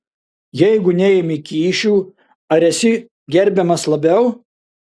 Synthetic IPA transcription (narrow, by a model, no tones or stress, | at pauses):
jɛɪɡʊnʲɛjɛmʲɪkʲiːʃʲuː | ɐɾʲɛsʲɪ | ɡʲɛɾʲbʲɛmɐslˠɐbʲɛʊ